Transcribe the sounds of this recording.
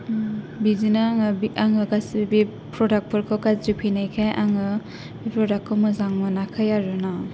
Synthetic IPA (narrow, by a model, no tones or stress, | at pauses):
bizinaŋabiʔaŋɯɡasbi | pɾɔdak̚pʰɔɾkʰɔwkazɾipʰinajkʰajʔaŋɯ | bipɾɔdakʰːɔmɯzaŋmɯnakʰajaɾɯna